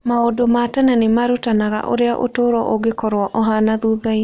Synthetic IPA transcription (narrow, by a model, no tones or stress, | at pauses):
maodomatɛnɛnemaɾutanaɣa̰ʔo̰ɾeaʔo̰toɾwɔʔoɡekɔɾwɔʔɔɦanaðuðai